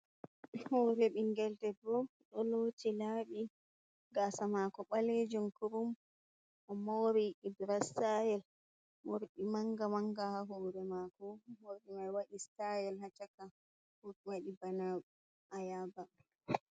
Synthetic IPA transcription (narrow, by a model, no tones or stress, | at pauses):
hoːɾɛɓiŋɡɛltɛdɔɗɔloːtʰilaːɓi | ɡasamakɔɓaled͡ʒumkuɾum | ʔɔmoɾiʔidɾasajɛl | moɾɗimaŋɡamaŋɡahaɦoɾɛmakɔwoɗimajwaɗistajɛlhat͡ʃaka | huɾwaɗibana | ʔajaba